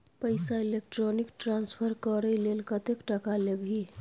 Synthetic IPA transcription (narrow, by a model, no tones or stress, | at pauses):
pəjsailek̚ʈɾonikʈɾanspʰəɾkəɾəlelkət̪ekʈəkalebʱi